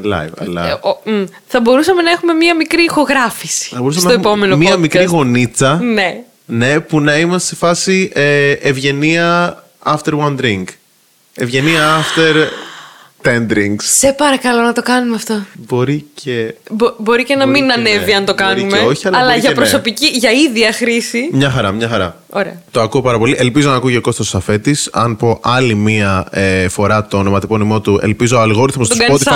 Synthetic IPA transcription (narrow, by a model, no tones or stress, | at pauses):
lɐ̰jvɐ̰lɐ̰ | θɐbo̞ɾusɐme̞nɐexume̞mɲiɐmikɾiːxo̞ɣɾɐfisi̥θɐbo̞usɐmsenɐt̪oempomenomiɐmikɾɾiɣo̞nit͡sɐne̞ | ne̞punɐimɐssefɐsieʔevʝe̞niɐ | ɐft̪e̞ɾwɐnd̪ɾiŋk | evʝe̞niɐɐft̪e̞ɾ | t̪end̪ɾiŋɡssepɐɾɐkɐlo̞nɐt̪o̞kɐnumeɐft̪o̞bo̞ɾicʰebobo̞ɾicenɐminɐne̞viɐnt̪o̞kɐnumeoçiɐɐlɐʝɐpɾoso̞piciʝɐiðiɐxɾisimɲɐxɐɾɐmɲɐxɐɾɐ | oɾḛɐt̪o̞ɐkuo̞pɐɾɐpo̞liʔe̞lpizonɐkuʝeko̞st̪osɐfe̞t̪isɐ̰npo̞ʔɐlimiɐefo̞ɾɐt̪o̞nomɐt̪ikonimo̞t̪ue̞̰lpizoɐlɣo̞ɾiθmost̪ɡɐpot̪i